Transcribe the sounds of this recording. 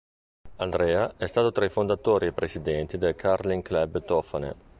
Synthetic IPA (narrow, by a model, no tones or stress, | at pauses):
ald̪ɾɛːaɛst̪aːt̪ot̪ɾaifond̪at̪oːɾiepːɾesid̪ɛnt̪id̪elkʰaɾliŋklɛbt̪ɔfanḛ